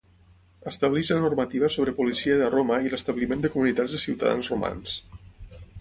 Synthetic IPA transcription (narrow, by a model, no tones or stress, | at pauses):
əst̪əβliʒlənurmət̪iβəsoβɾəpulisiəðəroməiləst̪əβlimend̪əkumunit̪ad͡zzðəsiwt̪ə̰ða̰nzruma̰ns